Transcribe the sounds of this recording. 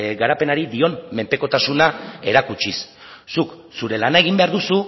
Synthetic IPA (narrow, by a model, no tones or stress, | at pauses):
ɡaɾape̞naɾid̪io̞nme̞mpe̞ko̞t̪asunae̞ɾakut͡ʃisː | uk | suɾe̞lanae̞ɣ̞imbe̞aɾðusu